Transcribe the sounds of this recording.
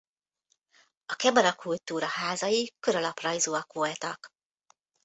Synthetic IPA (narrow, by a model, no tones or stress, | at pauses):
ɒkɛbɒɾɒkʰult̪ːuːɾɒhaːzɒjikø̞ɾɒlɒprɒjzuːɒkʋolt̪ɒk